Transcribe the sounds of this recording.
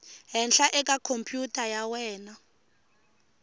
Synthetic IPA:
ɦɛnɬaʔɛk̬ʼakʰompʼjutʰʼajawɛːna

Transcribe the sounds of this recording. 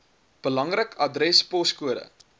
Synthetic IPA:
b̥əlɐŋrəkɐdrɛspɔskuəɾə̰

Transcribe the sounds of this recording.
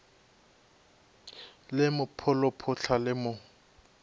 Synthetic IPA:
lɪmʊpʰʊlɔpʰʊɬʰalɪmʊ

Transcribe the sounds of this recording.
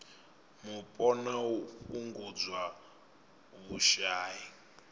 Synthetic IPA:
mupʼɔnauɸuŋɡud͡zwa | βuʃaːji

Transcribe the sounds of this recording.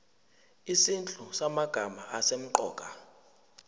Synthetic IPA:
isint͡ɬʼusamaɡ̥ʱamaasem̩ǃɔ̰ːkʼa

